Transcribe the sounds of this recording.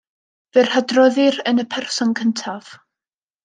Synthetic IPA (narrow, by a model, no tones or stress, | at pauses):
vɪr̥hadrɔðɪrənəpʰɛrsɔnkʰəntʰav̥